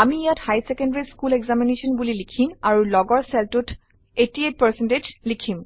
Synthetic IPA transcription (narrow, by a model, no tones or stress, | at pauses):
amiijathajsekendaɹiskuleɡzaminesɔnbulilikʰimaɹulɔɡɔɹsɛltut | etiet̚pəɹsented͡ʒlikʰim